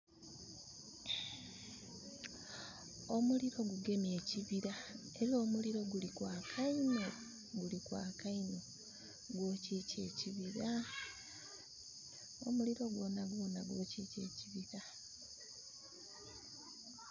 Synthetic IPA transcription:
o̞muliɾo̞ɡuɡe̞mje̞ːciβiɾa | e̞ɾio̞ːmuliɾo̞ɡulikwaːkʰaino | ɡulikwa̰ːkaino | ɡwo̞ːce̞ːce̞ːciβiɾa | o̞̰muliɾo̞ɡwo̞ːnaɡwo̞ːnaɡwo̞ceːce̞ːciβiɾa

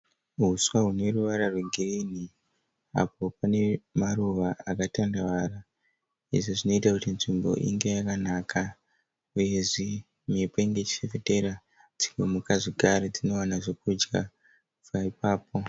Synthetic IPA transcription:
ɦuswaɦune̞ruʋaɾarweŋɡʱerini | a̰p̚o̞pane̞maruʋaakatandaʋaɾa | ḭʐiʐino̞itakutinʐimbo̞̰ʔḭŋɡe̞jakanaːkʰa | uje̞ʐi | mepeiŋɡe̞t͡ʃi̥sefete̞ɾa | d͡ziŋɡomukaʐiɡʱaɾed͡zino̞wanaʐo̞k̚ud͡ʒɡa | paipaːpo̞

